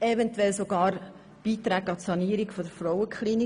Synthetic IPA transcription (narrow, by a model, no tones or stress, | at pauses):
ɛvɛntwɛlsoɡɑːɾ | b̥iːt̪ɾæːɡɑtsɑniːɾikfɔdəɾfrɔwəkʰχliːni